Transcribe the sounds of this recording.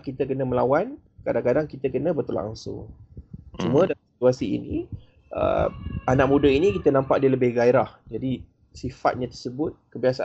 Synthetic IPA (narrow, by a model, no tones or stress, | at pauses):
ʔkit̪əkənəməlawankadaŋkadaŋkit̪əkənə̃bərt̪ula̰ʔa̰ŋsʊ̰ŋ | t͡ʃumuədasit̪uasḭːnḭ | ʔə̰anaʔ̚mudainĩkit̪ənãmpaʔ̚diələbɪhɡaiɾahd͡ʒadi | sifa̰t̪̚ɲãt̪ərsəbʊt̪̚kəbiasaʔ